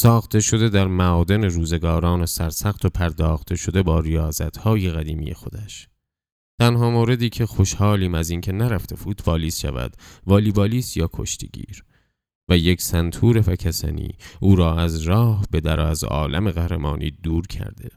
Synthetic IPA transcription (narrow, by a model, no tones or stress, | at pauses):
sɒːxt̪e̞ʃo̞d̪e̞d̪æɾmæʔɒːd̪e̞ne̞ɾuːze̞ɡɒːɾɒːnesæɾsæɣt̪ʰo̞pʰæɾd̪ɒːxt̪ʰe̞ʃo̞d̪e̞bɒːɾijɒːzæ̰t̪hɒːjeɣæd̪iːmḭje̞̰xo̞d̪æʃ | t̪ʰænhɒːmoːɾe̞d̪iːcʰe̞xo̞ʃhɒːliːmæziːncʰe̞næɾæft̪ʰe̞buːt̪vɒːliːsʃæ̰væ̰d̪̥vɒːliːbɒːliːsjɒːkʰo̞̰ʃt̪ʰiɟḭːɾ | væjecʰsænt̪ʰuːɾe̞fækʰæsæ̰nḭːʔuːɾɒːæzɾɒːhbe̞d̪æɾʔɒːæzɒ̰ːlæ̰me̞ɣæhɾemɒ̰ːnʔḭːd̪uːɾcʰæ̰ɾd̪e̞̰